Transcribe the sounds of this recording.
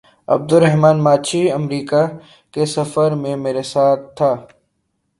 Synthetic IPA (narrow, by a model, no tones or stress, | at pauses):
ɐ̰b̚d̪ʊɾɛɦmaːnmaːt͡ʃʰiɐmɾiːka | kesɐfəɾmẽmeːɾesaːt̪̚ʰːaː